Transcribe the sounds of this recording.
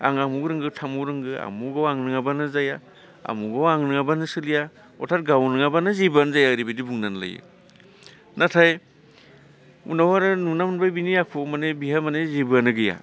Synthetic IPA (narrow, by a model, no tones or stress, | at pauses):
aŋamuɡɾɯŋɡɯtʰamuɾɯŋɡɯa̰muɡawaŋnɯŋabanɯzaja | a̰muɡawaŋnɯŋabanɯsɯlija | ɔ̰tʰaɾ̚ɡawnɯŋabanɯzibɯanzajaɾibidibuŋnanla̰jɯ̰ | natʰaj | ṵnawaɾɯnunamanbajbinijakʰumanebiɦamanezibɯanɯɡɯja̰